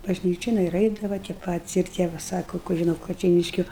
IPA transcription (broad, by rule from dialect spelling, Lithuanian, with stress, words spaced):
bɐʒʲˈnʲiːt͡ʃʲoːn ɪr ˈɐɪdɐʋɐ tʲiɛ ˈpɑːtʲɪs ɪr ˈtʲiɛ ʋɐ ˈsɑːkoː kʊˈrʲiɛ nuɔ kɐt͡ʃʲɛɪˈnʲɪʃʲkʲʊ